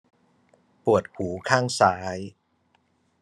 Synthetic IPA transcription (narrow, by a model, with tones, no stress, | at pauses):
pu˨˩ət̪̚huː˩˦kʰaː˥˩ŋsaː˦˥j